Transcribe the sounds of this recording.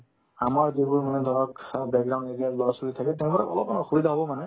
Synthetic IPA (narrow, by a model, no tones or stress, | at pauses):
amaɹzibʊɹmanɛd̪ʱɔɹɔkbɛk̚ɡɹawndetialɔɹɔsuɡit̪ʰakɛtɛʊ̃baɹɛ̰ɔlɔp̚anɔxubid̪ʱaɦɔbɔmanɛ